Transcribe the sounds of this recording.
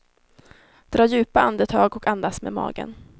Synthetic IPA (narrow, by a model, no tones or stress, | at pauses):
d̪̥ɾɑːɾjʉ̟ːpaand̪ət̪ʰɑːɡɔkand̪asmḛmɑ̰ːɡə̰n